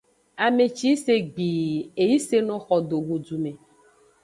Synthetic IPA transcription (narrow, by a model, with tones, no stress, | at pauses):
a˨me˨t͡ʃi˦se˦ɡ͡bi˨e˨ji˦se˦nɔ̃˨˦xɔ˨d̪o˨ɡu˨d͡ʒu˨me˨